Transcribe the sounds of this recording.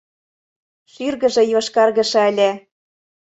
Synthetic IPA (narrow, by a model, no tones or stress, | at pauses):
ʃyrɣə̆ʒɤ̆joʃkɑrɣɤ̆ʃɑə̆lʲĕ